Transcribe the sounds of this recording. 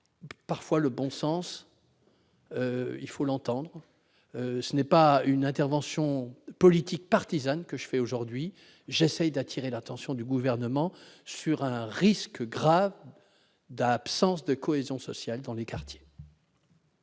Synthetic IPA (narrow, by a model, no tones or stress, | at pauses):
paʁfwaləbɔ̃sɑ̃s | øḭlfolɑ̃t̪ɑ̃d̪ʁ | øsənɛpaynɛ̃t̪ɛʁvɑ̃sjɔ̃pɔlit̪ik̚paʁt̪izankəʒəfɛoʒuʁd̪ɥi | ʒesɛjd̪at̪ʰiʁelat̪ɑ̃sjɔ̃d̪yɡuvɛʁnəmɑ̃syʁɛ̃ʁiskɡʁav | d̪apsɑ̃s̬d̪əkʰɔezjɔ̃sɔsjald̪ɑ̃lekaʁt̪je̥